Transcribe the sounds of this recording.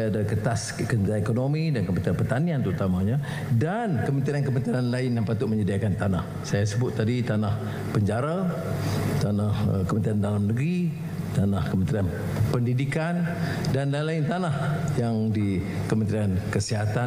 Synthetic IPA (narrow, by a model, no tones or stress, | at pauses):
adakət̪askənɾaekonomidankəmənt̪ɾianpərt̪aniant̪əɾut̪amaɲa | dankəmə̃nt̪ɾiankəmə̃nt̪ɾianlaɪnjaŋpat̪ʊʔməɲədiakant̪anah | sajasəbʊt̪ːadit̪anah | pəɲd͡ʒaɾa | t̪anahə̰kəmə̃nt̪ɾiandalamnəɡɾi | t̪anahkəmə̃nt̪ɾian | pəndidikan | danlalaɪnt̪anahjaŋdikəmə̃nt̪ɾiankəsiɦat̪a